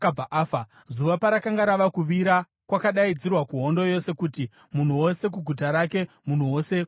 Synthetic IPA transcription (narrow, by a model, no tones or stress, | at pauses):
kabaʔaːfa | zuʋapaɾakaŋɡaɾaʋakuʋiɾa | kwakaɗaid͡zirwakuɦo̞ndo̞jo̞se̞kuti | mun̤uwo̞se̞k̬uɡʱutaɾake̞ | mun̤uwo̞se̞